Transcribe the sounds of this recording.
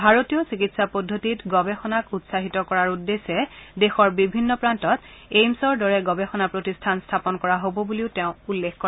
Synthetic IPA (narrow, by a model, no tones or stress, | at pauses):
bʱaɹotijɔsikitsapɔdʱːotitɡɔbɛxɔnakutsaɦitɔkɔɹaɹudːesɛdexɔɹbibʱinːɔpɹantɔt | ejmsɔɹdɔɹɛɡɔbɛxɔnapɹotistʰanstʰapɔnkɔɹaɦobɔbuliʊtɛʊ̃ulːexkɔ